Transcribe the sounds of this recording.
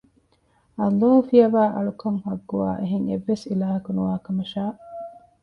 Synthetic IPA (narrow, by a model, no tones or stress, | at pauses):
ɐlːaːɦufiɐʋaːʔɐɭukɐŋhɐɡːua̰ːʔeɦeŋḛʋːesilaːɦɐkunuʋaːkɐmɐʃaː